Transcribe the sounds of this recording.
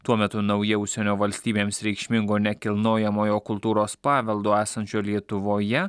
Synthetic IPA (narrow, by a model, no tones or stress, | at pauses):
t̪uɔmʲɛt̪ʊnɐʊjɛʊʃʲsʲɛnʲoːʋɐlʲsʲt̪ʲiːbʲeːmsɾʲɛɪkʃʲmʲɪŋɡoːnʲɛkʲɪlˠnoːjɛmoːjoːkʊlˠt̪uːɾoːspɑːʋʲɛlˠd̪oːæːsɐnʲt͡ʃʲoːlʲiɛt̪ʊʋoːjɛ